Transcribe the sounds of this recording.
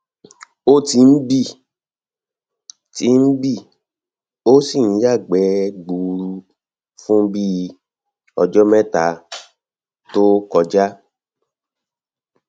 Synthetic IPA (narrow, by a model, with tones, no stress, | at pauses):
o˦ti˧n̩˦bi˦˨ | ti˦n̩˦bi˦˨ | o˦si˦˨ñ̩˨˦ja˦˨ɡ͡bɛ˨˦ɡ͡bu˨ɾu˧ | fũ˦bi˦ | ɔ˧d͡ʒɔ˦mɛ̃˦ta˨˦ | to˦kɔ˧d͡ʒa˦